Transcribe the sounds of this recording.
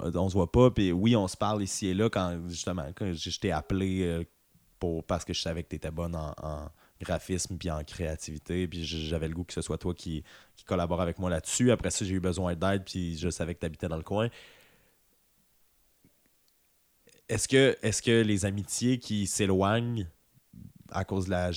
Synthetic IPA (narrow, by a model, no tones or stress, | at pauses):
ɔ̃səvwapʌpiwiɔ̃sə̥paʁlisielʌkɑ̃ʒyst̪əmɑ̰̃kɑ̃ʒeʒt̪ɛaple | puʁpaʁsə̥kəʒəsavɛk̚ət̪et̪ɛbɔnɑ̰̃ɑ̰̃ | ɡʁafɪsmpiɑ̃kχeat̪ivit̪epiʒəʒavɛləɡukə̥səswat̪wakʲʰikʲi̥kɔlabɔʁavɛkmwalat̪syapχɛsɔʒeybəzwɛ̃d̪ɛɪd̪̚pʰiʒəsavɛkət̪yabit̪ɛd̪ɑ̃ləkwɛ̃ | ɛskʲəʔɛskʲəlezamit̪jekʲʰiselwaɲ | a̰koːzd̪əla